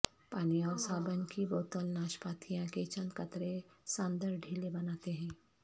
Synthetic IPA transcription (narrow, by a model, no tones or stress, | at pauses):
paːnijaːɾsaːbənkiboːt̪əlnaːʃpaːt̪ʰijãket͡ʃɐ̃nd̪kɐt̪ɾesãːnd̪əɾɖʱiːlebɐnaːt̪eɦɛ̃ː